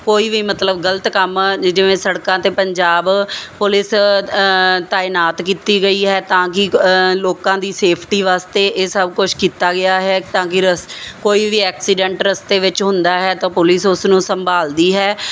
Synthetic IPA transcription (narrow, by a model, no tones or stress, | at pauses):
koːiːʋiːmət̪ləbɡələt̪kəmd͡ʒɪʋẽːsəɽkãːt̪eːpəɲd͡ʒaːbpʊlɪs | t̪aːɪnaːt̪kiːt̪iːɡəiːɦɛːt̪ãːkɪloːkãːd̪iːseːpʰʈiːʋaːst̪eːʔeːsəbkʊt͡ʃʰkiːt̪aːɡɪaːɦɛːt̪ãːkɪɾəskoːiːʋiːɛːksɪɖɛ̃ɳʈɾəst̪eːʋɪt͡ʃɦʊ̃nd̪aːɦɛːt̪ãːpʊlɪsʊsnũːsəmbaːld̪iːɦɛː